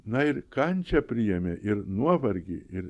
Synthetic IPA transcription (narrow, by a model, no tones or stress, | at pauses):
nɐɪɾkɐnʲt͡ʃʲɛpʲɾʲɪjɛmʲeʔɪɾnuɔʋɐɾʲɡʲɪɪɾ